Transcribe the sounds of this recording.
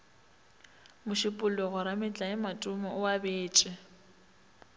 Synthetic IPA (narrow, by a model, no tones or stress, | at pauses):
mʊʃɪpʼʊlʊɣʊɾamɪt͡ɬʼaɪmatʼʊmɔʊabeːt͡ʃʼɪ